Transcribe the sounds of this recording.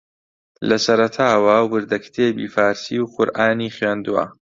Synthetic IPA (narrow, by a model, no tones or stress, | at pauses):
lɐsɐɾɐt̪ʰaːwɐwɨɾd̪ɐkt̪ʰeːbḭːfaːɾsiːwqʊɾʔaːniːχɥeːnd̪uwɐ̰